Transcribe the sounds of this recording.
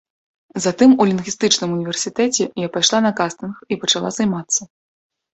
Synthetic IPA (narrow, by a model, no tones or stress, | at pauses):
zat̪ɨmulʲinɣʲist̪ɨt͡ʂnɨmunʲivʲɛrsʲit̪ɛt͡sʲɛjapajʂlˠanɐkast̪ɨnxipɐt͡ʂalˠa̰zajmat̪sːɐ